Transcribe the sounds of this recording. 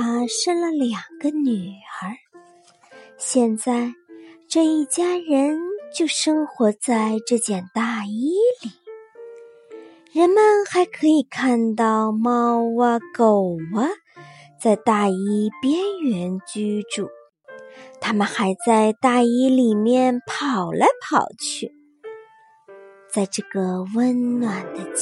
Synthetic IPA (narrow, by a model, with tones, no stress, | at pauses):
a˥ʂə˥ŋlə˨ljɑ˨˩ŋɡə˦ny˨˩ə˞˧˥ | ɕjɛ˥˧nt͡sa˥˧ɪʈ͡ʂɤ˥˧i˥˩t͡ɕja˥ɻə˧˥nt͡ɕjo˥˩ʊʂɤ˥ŋxwɔ˧˥t͡sa˥˧ɪʈ͡ʂɤ˥˧t͡ɕjɛ˥˩nt̪a˥˩i˥li˨˩˦ | ɻə˧˥nmə˨nxa˧˥ɪkʰɤ˧˥i˨˩kʰa˥˧nt̪ɑ˥˩ʊmɑ˥ʊwə˧ko˨˩ʊwə˦ | t͡sa˥˧ɪt̪a˥˩i˥pjɛ˥nɥɛ˧˥nt͡ɕy˥ʈ͡ʂu˥˩ | t̪ʰa˥mə˨nxa˧˥ɪt͡sa˥˧ɪt̪a˥˩i˥li˨˩mjɛ˥˩npʰɑ˨˩ʊlə˧˦pʰɑ˨˩ʊt͡ɕʰy˥˩ | t͡sa˥˧ɪʈ͡ʂɤ˥˩ɡə˩wə˥nnwa˨˩nd̪ə˦